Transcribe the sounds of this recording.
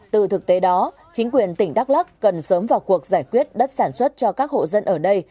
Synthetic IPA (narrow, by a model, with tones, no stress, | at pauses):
t̪ɨ˨˩t̪ʰɨ˨˩k̚t̪e˨˦ɗɔ˨˦ | t͡ɕi˨˦ŋ̟k̬wi˨˩ənt̪ï˧˩ŋ̟ɗa˦˥k̚la˦˥kːə˨˩nsəː˨˦mvaː˨˩wku˨˩ək̚zaː˧˩jkwi˦˥ət̚ɗə˦˥t̚saː˧˩nswə˦˥t̚t͡ɕɔ˧kaː˦˥k̚ho̰˧˨zə˧nʔəː˧˩ɗə˧j